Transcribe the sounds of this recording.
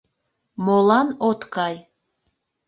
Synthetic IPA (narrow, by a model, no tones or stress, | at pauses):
molˠɑnot̪kɑj